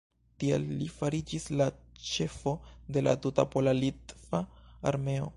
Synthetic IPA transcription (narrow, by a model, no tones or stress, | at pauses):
tiḛlːifaɾid͡ʒislat͡ʃe̞fo̞de̞la̰tuta̰polalitvaaɾme̞o̞̰